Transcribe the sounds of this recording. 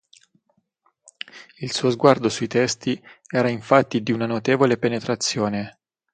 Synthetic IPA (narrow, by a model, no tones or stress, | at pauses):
ilsuːozɡward̪osuit̪ɛst̪iɛːɾaiɱfat̪ːid̪iunanot̪eːvolepenet̪ɾat̪sːjoːne